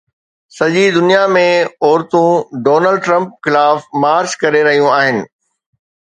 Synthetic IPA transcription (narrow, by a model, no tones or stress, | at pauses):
sɐʄid̪ʊnijamẽɔːɾt̪ũɖoːnəlɖʈɾɐ̃mp̚xɪlaːfmaːɾt͡ɕkɐɾeɾɐɦijũaːɦɪnɪ̆